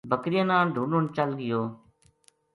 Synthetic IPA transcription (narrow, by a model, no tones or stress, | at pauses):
bʱəkɾɪjə̃nãːɖʱuːnont͡ʃəlɡɪjoː